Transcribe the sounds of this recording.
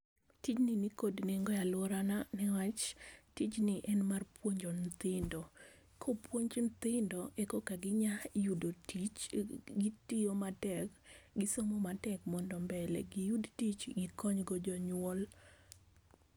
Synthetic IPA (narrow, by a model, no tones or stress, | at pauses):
tit͡ʃninikodneŋɡɔjalwɔɾananɛwat͡ʃtit͡ʃnɪʔɛnmarpwoɲd͡ʒont̪ɪndɔ | kʰopwoɲd͡ʒnt̪ɪndɔʔɛkɔkaɡɪɲajudotit͡ʃɡitijomatɛkɡɪsomɔmatɛkmɔndɔmbɛlɛ̰ɡɪjudtit͡ʃɡɪkɔɲɡɔd͡ʒɔɲwɔl